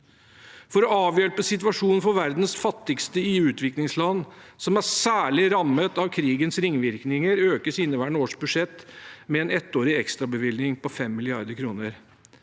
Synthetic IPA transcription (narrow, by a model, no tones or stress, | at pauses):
fɔɾɔɑːʋjøːɭəpəsɪt̪ʉʋɑʂuːnn̩fɔʋæɾd̪nsfɑt̪ːɪkst̪əɪʉːt̪ʋɪklɪŋslɑnː | sɔmæɾsæːɭɪɾɑmət̪ɑʋkʰɾiːɡənsɾɪŋːʋɪɾknɪŋəɾøːkəsɪnəʋæːɳoːʂbʉd̪ʂɛt̪ːmɛɛnɛt̪ːoːɾɪɛkst̪ɾɑbəʋɪlnɪŋpɔfɛmːɪlɪɑ̰ɾd̪əɾkʰɾuːnəɾ